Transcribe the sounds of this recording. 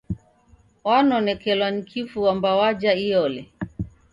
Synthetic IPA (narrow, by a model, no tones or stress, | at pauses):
wanɔnɛkɛlwanikʰifuwambawad͡ʒaijɔlɛ